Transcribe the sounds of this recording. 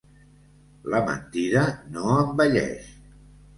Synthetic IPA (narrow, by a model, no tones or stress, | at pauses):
ləmə̰nt̪iɾənoəmbəʎɛ̰ʃ